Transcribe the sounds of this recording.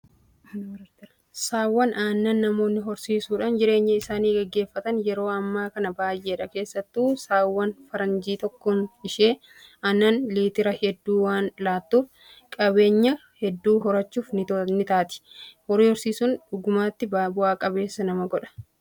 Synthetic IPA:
saːwːɐnaːnːɐnːɐmo̞ːnːɪɦɔɾsiːsuːᶑaːnd͡ʒɪɾe̞ːɲːɐɪsaːniːɡɛɡːe̞ːfːɐt̪ɐnjɛɾo̞ːɐmːaːkɐnɐbaːjʔeːᶑɐke̞ːsːɐt̪ːuːsaːwːɐnfɐɾɐnd͡ʒiːt̪ɔkːɔnɪʃe̞ː | aːnːɐnliːt̪ɪɾɐhɛd̪ːuːwaːnlaːt̪ːuːf | kʼɐbe̞ːɲːɐhɛd̪ːuːɦɔɾɐt͡ʃːuːfnɪnɪt̪aːt̪ɪ̥hɔɾiːhɔɾsiːsʊnᶑʊɡʊmaːt̪ːɪbaːbʊaːkʼɐbe̞ːsːɐnɐmɐɡɔᶑɐ̥

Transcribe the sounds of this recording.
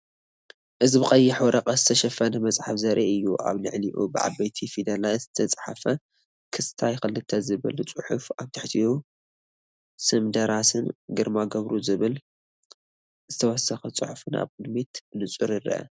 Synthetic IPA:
ʔɨzbɨqʼɐjːɪħwɔɾʔɐqʼɐzɨt̪ʰɐʃɐfɐnɐmɐt͡sʼħafzɐɾʔeʔɨjːuʔa̰βnɨ̰ʕniʔṵbɨʕa̰bɐjt̪ʰifid̪ɐlajzɨt̪ʰɐt͡sʼħafɐ | kʰɨst̪ʰajxɨlːɨt̪ʰːɐzɨβɨ̰lt͡sʼɨħufaβt̪ʰɨħt̪ʰiju | sɨmd̪ɐɾasɨnɡɨɾmaɡɐβɾuzɨβɨl | zɨt̪ʰɐwɔsɐxɐt͡sʼɨħufɨna̰βkʼɨd̪mit̪nɨt͡sʼuɾiɾɐ̰ʔɐ̰

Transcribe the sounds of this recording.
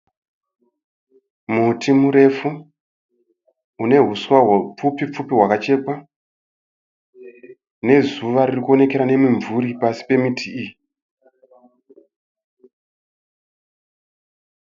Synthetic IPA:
mutʰimuɾe̞fu | une̞ɦuswaɦwop͡fupip͡fupiɦwakat͡ʃe̞kwa | ne̞zuʋaɾirikuo̞ne̞ke̞ɾane̞miɱvuɾipasi̥pe̞mitʰiiji

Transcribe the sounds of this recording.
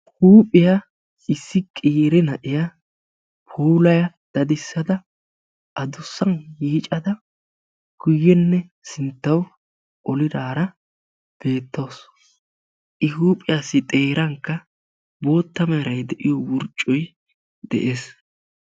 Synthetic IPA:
huːpʼɪja | ɪsːɪkʼiːɾɛnɐʔɪja | pʰoːlɐjɐ | d̪̥ɐd̪ɪsːɐd̪ɐ | ʔɐd̪ʊsːɐnjiːt͡ʃʼɐd̪ɐ | ɡ̥ʊjːɛnːɛ | sɪnt̪ːɐw | ʔɔlɪd̪aːɾɐ | b̥e̞ːt̪ːo̞ːs | ʔɪhuːpʼɪjaːsːɪt̪ʼe̞ːɾɐŋkːɐ | bo̞ːt̪ːɐmɛɾɐjd̪ɛʔɪjɔwʊɾt͡ʃʼːɔj | d̪ɛ̰ʔeːs

